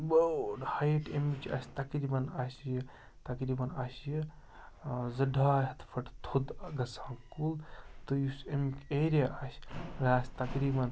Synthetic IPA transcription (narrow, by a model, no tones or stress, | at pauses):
bɐʈhɐjʈemit͡ʃɐ̰sʲt̪ɐkɾibɐnɐsjɐ | t̪ɐkɾiːbɐnɐsji | zɐɖʱaːɦɐt̪fʰɐʈt̪ʰud̪ɡɐsaːŋkult̪ɨjusemikʲeɾijaʔɐsʲɾaːsʲt̪ɐkɾiːbɐn